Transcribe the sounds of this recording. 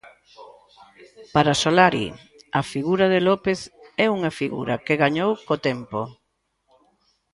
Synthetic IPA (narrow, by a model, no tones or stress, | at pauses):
paɾasolaɾḭ | ɐfiɣuɾɐðelɔpeθɛuŋɐfiɣṵɾɐkeɣaɲowkot̪ɛmpo